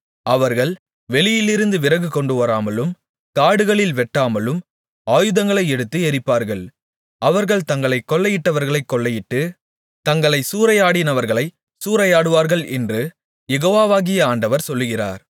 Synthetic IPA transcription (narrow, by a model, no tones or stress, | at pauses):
ɐʋɐɾɣɐɭ | ʋɛɭɪjɪlɪɾɯnd̪ɯʋɪrɐɣɯkɔɳɖɯʋɐɾaːmɐlɯm | t̪aːɽɯɣɐɭɪlʋɛʈːaːmɐlɯm | aːjɯðɐŋɡɐɭɐɪɛɽɯt̪ːɯɛɾɪpːaːɾɣɐɭ | ɐʋɐɾɣɐɭt̪ɐŋɡɐɭɐɪkːɔɭːɐjɪʈːɐʋɐɾɣɐɭɐɪkːɔɭːɐjɪʈːɯ | t̪ɐŋɡɐɭɐɪsuːɾɐjaːɽɪnɐʋɐɾɣɐɭɐɪ | suːɾɐjaːɽɯʋaːɾɣɐɭʔɛ̰ndrɯ | jɛɣoːʋaːʋaːɣɪjɐaːɳɖɐʋɐɾsɔlːɯɣɪra̰ːɾ